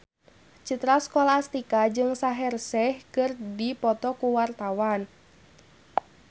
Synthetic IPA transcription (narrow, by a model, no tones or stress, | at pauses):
t͡ʃit̪ɾaskɔlast̪ikad͡ʒɨŋsaɦɛrsɛhkɨrdipɔt̪ɔkuwart̪awan